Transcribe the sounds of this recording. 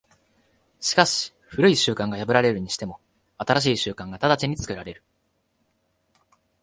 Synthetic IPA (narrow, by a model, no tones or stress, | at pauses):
ɕi̥kaɕi̥ | ɸɯ̟ɾɯ̟iɕɨːkãŋɡajabɯ̟ɾaɾe̞ɾɯ̟ɲ̟iɕi̥t̪e̞mo̞ | at̪aɾaɕ̬iːɕɨːkãŋɡat̪ad̪at͡ɕiɲ̟it͡sɨ̥kɯ̟ɾaɾe̞ɾɯ̟